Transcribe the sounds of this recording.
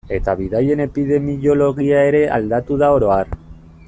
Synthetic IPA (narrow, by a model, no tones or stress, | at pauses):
e̞t̪aβiðaje̞ne̞piðe̞mijo̞lo̞ɣ̞iae̞ɾe̞ʔa̰ld̪at̪uð̞ao̞ɾo̞aɾ